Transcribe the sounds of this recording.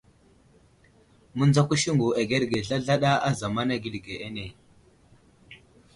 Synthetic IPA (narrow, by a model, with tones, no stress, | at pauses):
mu˦nd͡za˦ku˦ʃi˦ŋɡu˨e˨ɡe˦ɾɡe˨ɮa˦ɮa˦ɗa˦a˦za˨ma˦na˦ɡi˨˦lɡe˨ʔe˦ne˨